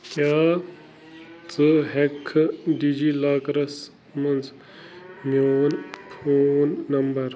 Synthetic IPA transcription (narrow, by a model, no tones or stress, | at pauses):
kjaː | t͡sɨɦekʰːɖid͡ʒilaːkɾɐs | mɐnd͡z | mjoːnpʰonːɐmbɐɾ